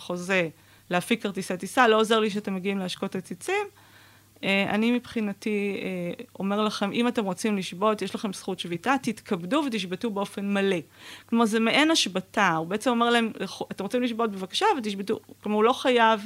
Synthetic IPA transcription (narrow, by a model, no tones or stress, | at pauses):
χo̞ze̞ | leafikaʁt̪iset̪isalo̞ozeʁliʃ̬eate̞mːeɡiimleaʃko̞tat͡sit͡sim | ea̰nimipχinatieo̞me̞ʁlaχe̞mʔimate̞mʁo̞t͡simliʃbo̞tjeʃlaχe̞msχutʃvitat̪itkʰabduvetiʃbetubeo̞fe̞nmale̞klomaʁzemeʔenaʃbataubeet͡se̞mo̞me̞ʁlae̞mχat̪emʁot͡simliʃbo̞t̚bevakḁʃavet̬iʃbetuklomaʁlo̞χajav